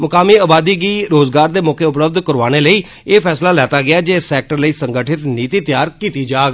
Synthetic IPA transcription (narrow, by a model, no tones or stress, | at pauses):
mʊkaːmiːəaːbaːd̪iːɡiːɾoːzɡaːɾd̪eːmʊːkʰeːʊpləb̚d̪kəɾʋaːñeːləiː | eːpʰɛːslaːlɛːt̪aːɡɪaːd͡ʒeːsɛːk̚ʈəɾləiːsəŋɡəʈʰɪt̪niːt̪iːt̪jaːɾkiːt̪iːd͡ʒaːɡ